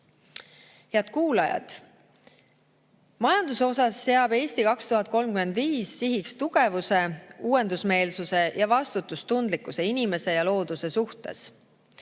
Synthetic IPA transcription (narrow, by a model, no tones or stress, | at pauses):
he̞ɑt̪̚kuːlɑjɑ̰t̪ | mɑjɑnd̪uso̞sɑsːe̞ɑbe̞ːst̪ikɑkst̪uɦɑt̪̚ˑko̞lmkyme̞nd̪viːsːiɦikst̪uɡ̥e̞vuse̞uːe̞nd̪usme̞ːlsuse̞jɑvɑst̪ut̪ːˑust̪und̪likːˑuse̞inime̞se̞jɑlo̞ːd̪̥use̞suht̪e̞̰s